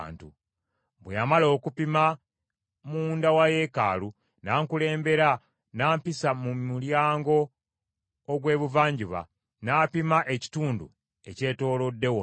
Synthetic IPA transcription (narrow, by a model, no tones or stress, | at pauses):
ntṵ | βwejamalo̞ːkupima | mundawaje̞ka̰ːlu | naːŋkule̞ːmbe̞ɾa | naːmpisamuuljaːŋɡo̞ː | ɡwe̞ːβuvaːɲɟuβa̰ | naːpimaʔeci̥tuːndṵ | e̞ce̞ːto̞ːlo̞dːe̞wo